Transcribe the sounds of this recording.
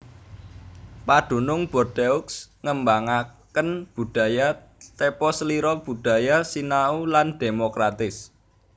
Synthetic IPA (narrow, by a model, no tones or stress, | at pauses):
pad̪̥ṳnʊŋb̥ɔ̤rd̪euksŋəmbaŋakənb̥ṳd̥a̤ja | t̪epɔsəliɾɔb̥ṳd̥a̤jasinauland̪̥emokɾat̪ɪs